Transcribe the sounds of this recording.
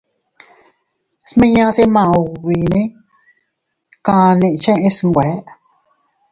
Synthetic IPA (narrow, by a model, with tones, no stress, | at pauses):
smẽ˦ɲã˦˧se˦mã˧˨u˧˨wi˨nẽ˦ | kã˧nẽ˧ʔt͡ʃẽ˦˧ẽ˦sŋ˨ɡʷɛ˨˦